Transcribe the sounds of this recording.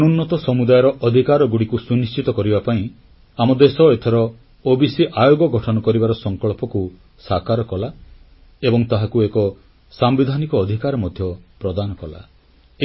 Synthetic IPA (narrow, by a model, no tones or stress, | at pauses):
ɔnunːɔt̪ɔsɔmud̪ajɔɾɔʔɔd̪ʱikaɾɔɡuɽikusunist͡ʃit̪ɔkɔɾibapaĩ | amɔd̪esɔet̪ʰeɾɔ | obisiʔajoɡɔɡʱɔʈʰɔnɔkɔɾibaɾɔsɔŋkɔɭpɔku | sakaɾɔkɔla | ebɔŋt̪aɦakuekɔ | sambid̪ʱanikɔːd̪ʱikaɾɔmɔd̪ʱjɔpɾɔd̪anɔkɔla̰